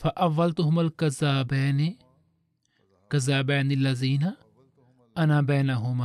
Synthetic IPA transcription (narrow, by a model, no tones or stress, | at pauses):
fɐʔɐʋːɐlt̪ʊɦʊmalkɐzaːbɛːni | kɐzaːbaːnɪlːɐziːna | ʔɐnaːbaːnaɦʊm